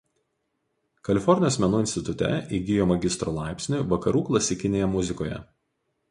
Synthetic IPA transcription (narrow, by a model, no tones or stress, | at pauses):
kɐlʲɪfɔɾʲnʲjoːsmʲɛnuːɪnʲst̪ʲɪt̪ʊt̪ʲɛ̰iɡʲɪjoːmɐɡʲɪst̪ɾoːlˠɑˑɪpʲsʲnʲuˑʋɐkɐɾuːklˠɐsʲɪkʲɪnʲeːjɛmʊzʲɪkoːjɛ̰